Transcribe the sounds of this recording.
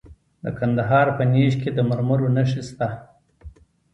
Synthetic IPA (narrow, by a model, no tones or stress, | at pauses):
d̪ə̰kʰand̪aɦɑɾpəneʃked̪əmaɾməɾonaʂist̪a